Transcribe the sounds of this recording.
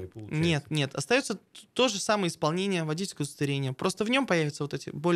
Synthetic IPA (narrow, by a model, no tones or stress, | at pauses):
pnʲe̞t̪nʲe̞t̪ʰɐ̰st̪ɐjo̞t̪sət̪o̞ʐɨsamɨjəɪspɐlˠnʲenʲɪjəvɐdʲitʲɪlʲkəʊst̪vʲɪɾʲenʲɪjəpɾʔo̞st̪əvnʲo̞mpɐjævʲɪt̪səvot̪ɛtʲɪ̰bo̞lʲ